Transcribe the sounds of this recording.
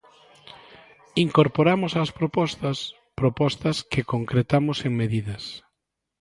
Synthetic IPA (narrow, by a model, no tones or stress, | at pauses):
iŋkoɾpoɾamʊsaspɾopɔst̪ɐs | pɾopɔst̪ɐskɪkoŋkɾet̪amʊseŋmeðiðɐs